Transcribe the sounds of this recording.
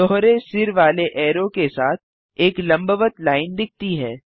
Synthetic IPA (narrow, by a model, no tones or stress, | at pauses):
ɔːɦɾesɪɾʋaːleʔɛːɾõkesaːt̪̚ʰ | eːklɐ̃mbəʋət̪laːɪnd̪ɪk̚ʰt̪iɦɛː